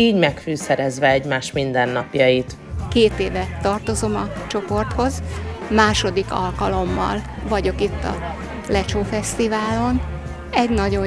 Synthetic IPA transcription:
iːɟmɛkfyːsɛɾɛzʋɛɛɟmaːʃmind̪ɛnːɒpjɒjit̪ | keːt̪eːvɛt̪ɒrt̪o̞zo̞mɒt͡ʃo̞po̞rt̪ho̞zmaːʃo̞d̪ikɒlkɒlo̞mːɒ̰l | vɒɟo̞kit̪ːɒ̰ | lɛt͡ʃoːfɛst̪ivaːlo̞n | ɛɟnɒɟo̞

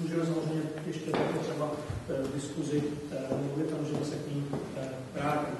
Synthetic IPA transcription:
uʒimɛs̬amor̝ɛjɲɛjɛʃcɛt̪ak̪ɛt̪r̥ɛbadɪskuzɪ | mluvɪt̪samozʒɛjɲmɛsɛkɲiːm | bɾaːc

